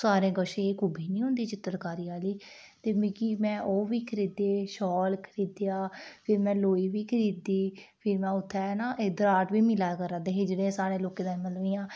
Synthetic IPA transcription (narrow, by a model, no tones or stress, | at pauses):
saːɾẽːɡəʃẽːeːkʊbiːnĩːɦʊ̃nd̪iːt͡ʃɪt̪ːəɾkaːɾiːaːliːt̪eːmiːkimɛ̃ːʔoːʋiːkʰəɾiːd̪eːʃɔːlkʰəɾiːd̪ejaːpʰɪɾmɛ̃ːloːiːʋiːkʰəɾiːd̪iːpʰɪɾmɛ̃ːʊt̪ʰːaɛːnãːʔeːd̪əɾaːʈʋiːmɪlaːkəɾãːt̪eːɦɪd͡ʒɽẽːsaːɾẽːloːkẽːd̪aːnməlʋiːjãː